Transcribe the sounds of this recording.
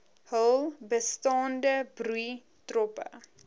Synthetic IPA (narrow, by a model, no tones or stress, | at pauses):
həlˠbəstɑːndəbrui | trɔpə̰